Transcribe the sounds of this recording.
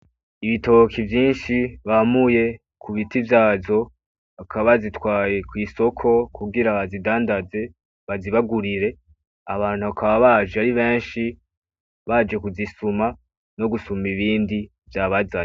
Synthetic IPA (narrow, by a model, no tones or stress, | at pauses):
iβito̞kʰivjiːnʃiβamuje̞ | kʰuβitivjaːzo̞ | akʰaβazitwaːje̞kwiːso̞kʰo̞kʰuɡiɾaβazidaːndaze̞ | βaziβaɡuɾiɾe̞ | aβaːn̥huβakaβaβad͡ʒeaɾiβe̞ːnʃi | βad͡ʒe̞kuzisuma | no̞ɡusumiβiːndi | vjaːβazaɲe